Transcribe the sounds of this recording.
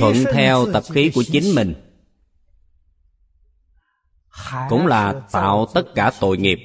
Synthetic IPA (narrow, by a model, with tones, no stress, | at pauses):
wə̰˧˨nt̪ʰɛ˧wt̪ə˨˩p̚xi˨˦ku˧˩ət͡ɕï˨˦ŋ̟mï˨˩ŋ̟ | kʊ̰˧˥ŋ͡mlaː˨˩t̪a̰ː˧˨wt̪ə˦˥t̚kaː˧˩t̪o̰˧˨jŋi˨˩əp̚